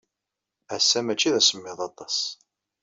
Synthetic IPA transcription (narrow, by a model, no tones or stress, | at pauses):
æsːæmæt͡ʃːiðæsəmːɪðˤɑt̪ˤɑs